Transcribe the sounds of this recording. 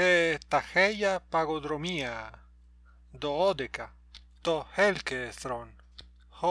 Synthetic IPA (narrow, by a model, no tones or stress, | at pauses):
et̪axejapaɣod̪ɾomia | d̪ood̪eka | t̪ohelkeθɾon | ho